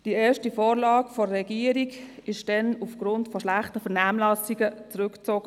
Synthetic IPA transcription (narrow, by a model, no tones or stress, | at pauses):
d̥iɛːʃtifoːɾlɑːɡfɔːɛɡiːəɾiɡɪʃd̥ɛnufɡ̥ɾʊntfɔʃlæχtəfɛnaːmlɑsiɡət͡sʁʉkt͡soːɡ̥ə